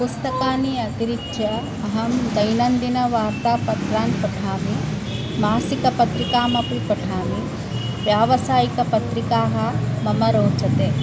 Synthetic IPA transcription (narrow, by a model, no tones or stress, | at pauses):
pust̪ɐkaːniɐt̪iɾikɐ | ɐɦɐmd͡ʒɐjnɐnd̪inɐʋaːɾt̪aːpɐt̪ɾaːnpɐʈʰaːmi | maːsikɐpɐt̪ɾikaːmɐpipɐʈʰaːmi | ʋjaːʋɐsaːjikɐpɐt̪ɾikaːɦɐ̆mɐmɐɾoːt͡ʃɐt̪eː